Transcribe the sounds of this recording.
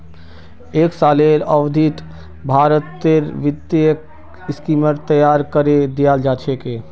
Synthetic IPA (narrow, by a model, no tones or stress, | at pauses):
eksaleɾəʋd̪ʱit̪ | bʱaɾət̪ːeɾʋid̪k | skiməɾt̪əjaɾkəɾed̪ijald͡ʒat͡ʃʰeke